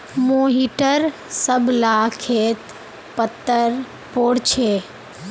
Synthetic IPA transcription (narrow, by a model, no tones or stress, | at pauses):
moːɦiʈəɾ | səbʱlaːkʰeːt̪ | pət̪ːəɾ | poːɽt͡ʃʰeː